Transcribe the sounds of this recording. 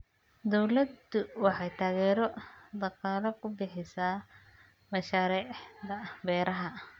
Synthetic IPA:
d̪ɔwlɐd̪ʊwɑħɑjt̪ʰaːɣɛːɾɔd̪ɑqɑːlɐkʰʊbɪħɪsaː | mɐʃaːɾiːʕʕd̪ɐbɛːɾɐɦɐ

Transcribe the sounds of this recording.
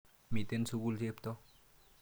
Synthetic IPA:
mit̪ensuɡulzept̪ɔ

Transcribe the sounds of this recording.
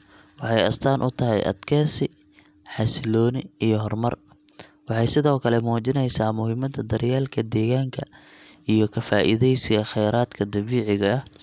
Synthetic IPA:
wɑħɑjɐ̰st̪ʰaːnʔʊt̪ʰɐɦɛ̰jʔɐ̰d̪kʰɛːsɪ | ħɑsɪlɔːnɪijɔɦɔrmɐr | wɑħɑjsɪðɔːkʰɐlɛmɔːt͡ʃɪnɛjsaːmʊhɪmɐd̪ɐd̪ɐɾjaːlkʰɐd̪ɛːɣaːŋkʰɐijɞkʰɐfaːʔɪ̰ðɛjsɪɣɐχɛjɾaːd̪kʰɐd̪ɐβiːʕɪɣɐːh

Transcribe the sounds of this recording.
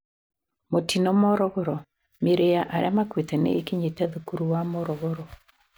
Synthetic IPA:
motinɔmɔɾɔɣɔɾɔ | meɾejaʔaɾamakwetɛnḛːkiɲetɛðukuɾuwamɔɾɔɣɔɾɔ

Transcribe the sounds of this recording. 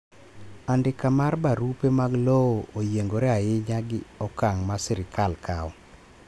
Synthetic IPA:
andɪkamarbaɾupemaɡlooojeŋɡoɾɛaɪɲaɡɪɔkaŋmasɪɾɪkʰalkʰaɔ

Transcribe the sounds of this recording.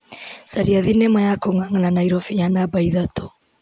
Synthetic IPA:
saɾiaðinɛmajakoŋwaŋananaiɾɔfiɲanabaiðatʰɔ

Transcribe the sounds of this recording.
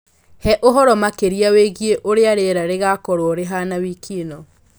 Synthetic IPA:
hɛʔoɦɔɾɔmakeɾiaweɣieʔoɾeaɾeɾaɾeɣakɔɾoɔɾeɦanawiːkʰinɔ

